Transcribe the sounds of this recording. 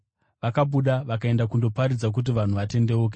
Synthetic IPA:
ʋakaɓuɗaʋakae̞ndakundo̞paɾid͡zak̬ut̬iʋan̤uʋate̞nde̞uːk̬e

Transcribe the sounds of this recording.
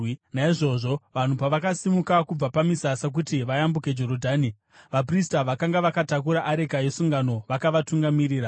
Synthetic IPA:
naiʐo̞ʐo̞ʋan̤upaʋakasimukakub͡vapamisasak̬utiʋajambuke̞d͡ʒo̞ɾodʱaːni | ʋap̬ristaʋakaŋɡaʋakatakuɾaʔaɾe̞kajesuŋɡano̞ʋakaʋatuŋɡamiɾiːɾa

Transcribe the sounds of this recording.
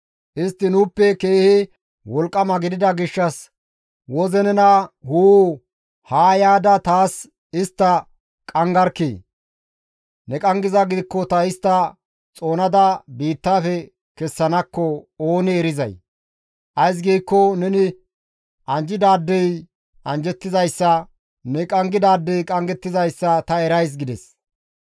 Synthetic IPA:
ʔɪst̪ːɪnuːpːɛkeːhɪ | wɔlkʼːɐmɐɡɪd̪ɪd̪ɐɡɪʃːɐs | wɔzɛnɛnɐhuː | haːjaːd̪ɐt̪aːs | ɪst̪ːɐ | kʼɐŋɡɐɾkːḛː | nɛkʼɐŋɡɪzɐɡɪd̪ɪkːɔt̪ɐɪst̪ːɐ | t͡sʼo̞ːnɐd̪ɐbiːt̪ːaːfɛ | kɛsːɐnɐkːɔoːnɛɛɾɪzɐ̰j | ʔɐjs̬ɡiːkːɔnɛnɪ | ɐnd͡ʒɪd̪aːd̪ːɛj | ɐnd͡ʒɛt̪ːɪzɐjsːɐ | nɛkʼɐŋɡɪd̪aːd̪ːɛjkʼɐŋɡɛt̪ːɪzɐjsːɐt̪ɐɛɾɐjs̬ɡɪd̪ɛs

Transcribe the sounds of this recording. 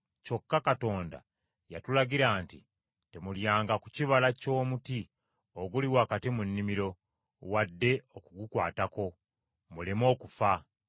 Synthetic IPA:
co̞kːakato̞ːnda̰ | jatulaɟiɾaːntḭ | temuljaːŋɡakuciβalaco̞ːmuti | oɡuliwaːkatimunːimiɾo̞ | wadːe̞okuɡukwa̰ːtako̞ | mulemo̞ːkufa

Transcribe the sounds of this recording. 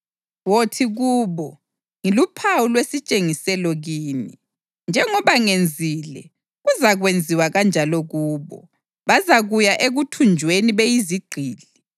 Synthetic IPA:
wotʰiɣuːβɔ | ŋilupʰawulwesit͡ʃʼeŋisɛlɔɣiːni | nd͡ʒʱɛŋɔβaŋend͡zʱilɛ | ɣuzaɣwend͡zʱiwaɣand͡ʒʱalɔɣuːβɔ̰ | βazaɣujaʔeɣutʰund͡ʒʱweniβejiziɡ͡ǃʱiːli

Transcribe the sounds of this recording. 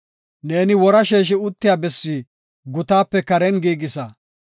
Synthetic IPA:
ne̞ːnɪwɔɾɐʃeːʃ̬ɪʊt̪ːɪjaːbɛsːiː | ɡʊt̪aːpːɛkɐɾɛnɡiːɡɪsɐ

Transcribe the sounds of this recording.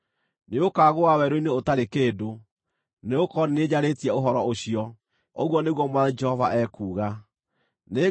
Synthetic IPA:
neokaɣowawɛɾoineotaɾekeːdo | neokɔnened͡ʑaɾetiɛoɦɔɾɔoɕiɔ | oɣwɔneɣwɔmwad͡ʒɛhɔvaʔɛkuːɣa | ne

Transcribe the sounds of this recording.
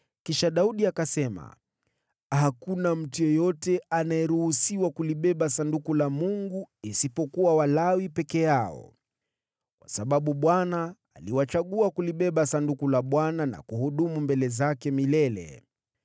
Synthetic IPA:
kiʃaɗauɗiakasɛma̰ | hakunam̩tujɔjɔtɛanajɛɾuhusiwakuliɓɛɓasandukulamuŋɡuisipɔkuwawalawipɛkɛjaɔ̰ | kwasaɓaɓuɓwanaː | liwat͡ʃaɠuakuliɓɛɓasandukulaɓwanana̰kuhuɗumumbɛlɛzakɛmilɛlɛ̰

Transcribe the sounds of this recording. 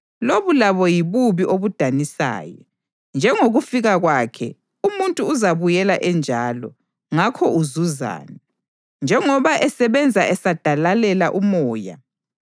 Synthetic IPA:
loβulaβɔjiβuβiʔoβud̥ʱanisa̰ːjɔ̰ | nd͡ʒʱɛŋoɣufiɣaɣwaːkʰɛ̰ | umuntʼuːzaβujɛlaʔɛnd͡ʒʱaːlɔ̰ | ŋakʰɔuzuza̰ːnɛ | nd͡ʒʱɛŋɔβaʔɛsɛβɛnd͡zʱaʔɛsad̥ʱalalɛlaʔumɔːja̰

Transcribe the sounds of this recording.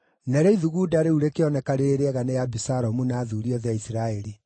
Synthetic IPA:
nɛɾɛiðuɣudaɾeuɾekeɔnɛkaɾeɾeɾeɛɣanejabisaɾɔmunaːðuːɾiɔðaisiɾaɛɾi

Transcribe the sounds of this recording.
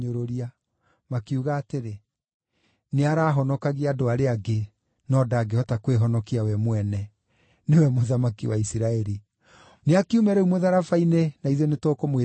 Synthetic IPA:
ɲoɾoɾia | makiuɣaːteɾe | neaɾaːɦɔnɔkaɣiadoaɾeaɡe | nɔdaɡehɔtakweɦɔnɔkiawɛmwɛnɛ | newɛmoðamakiwaisiɾaɛɾi | neakiumɛɾɛumoðaɾafainenaiðonetokomwe

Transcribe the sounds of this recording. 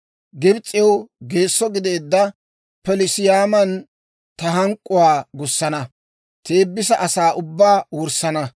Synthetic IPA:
ɡɪbt͡sʼːɪjɐwɡeːsːɔɡɪd̪eːd̪ːɐ | pɛlɪsɪjaːmɐn | t̪ɐɦɐŋkʼːʊwaːɡʊsːɐnɐ | t̪eːbːɪsɐʔɐsaːʔʊbːaːwʊɾsɐnɐ

